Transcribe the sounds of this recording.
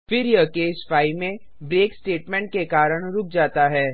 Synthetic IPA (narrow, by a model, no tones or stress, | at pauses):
fɪɾjəkeːsfaːimẽ | bɾeːksʈeːʈmɛ̃ɳʈ̚kekaːɾəɽ̃ɾʊk̚ʰd͡ʒaːt̪aɦɛː